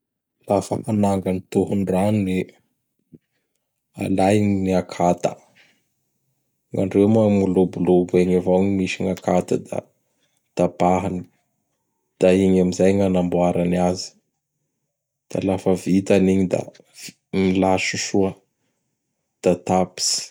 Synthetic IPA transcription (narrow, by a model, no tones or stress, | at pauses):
lafəhanaŋɡanit̪uɦunrane | a̰lajnniakʰat̪ə | ŋa̰ɳɖ͡ʐewmoamulubulubueɲavoŋimiʃiŋakʰat̪ad̪a̰ | t̪apaɦani̥ | d̪̥aiɲamizajŋanambuaɾaniazi̥ | d̪̥a̰lafəvit̪aniɲid̪a̰ | v | milaʃuʃuə | d̪̥at̪api̥si̥